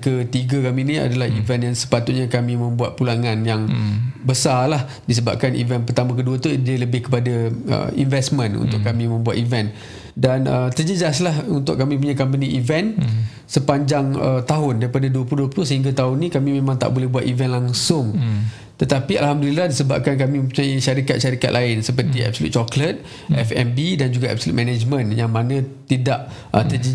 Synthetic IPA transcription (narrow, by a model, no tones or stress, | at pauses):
kət̪iɡakaminĩa̰dalahivɛnjaŋsə̥pat̪ut̪̚ɲakamĩmə̃mbuat̪̚pulaŋãnjaŋbəsalah | dis̬əba̰p̚kanʔḭvɛnpərt̪amãk̬əduat̪udiələbɪhkə̥padaə̰ḭnvɛsmə̃nṵnt̪ʊkamĩmə̃mbuat̪ivɛn | danət̪ərd͡ʒəd͡ʒaslahunt̪ʊ̰ʔkːamĩp̬uɲakamp̬əniʔivɛn | səpaɲd͡ʒaŋət̪aɦʊndaɾipadaduəp̬luduəpluhsəɦiŋɡat̪aʊnːĩkamĩmẽmãŋt̪a̰ʔbolɛhbuat̪ivɛnlaŋsʊŋ | t̪ət̪apialhamdulilahdisəba̰p̚kankamĩə̃pt͡ʃajaʃaɾikat̪ʃaɾika̰t̪̚lʔaɪnsəpərt̪iɛ̰bsolṵt̪̚t͡ʃɔklət̪̚ | ʔɛfɛ̰mbidand͡ʒuɡaɛ̰b̚solṵt̪̚mɛnad͡ʒmə̃njaŋmanãt̪idaʔʔət̪əd͡ʒ